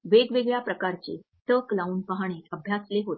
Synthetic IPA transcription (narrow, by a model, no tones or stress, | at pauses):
ʋeɡʋeɡɭjapɾəkaɾt͡ɕḛ | t̪əklauːnpəɦaɽ̃eəbʱjasleɦot̪